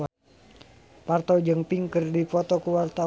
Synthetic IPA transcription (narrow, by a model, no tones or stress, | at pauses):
part̪od͡ʒəŋpiŋkərdifɔt̪ɔkuwart̪a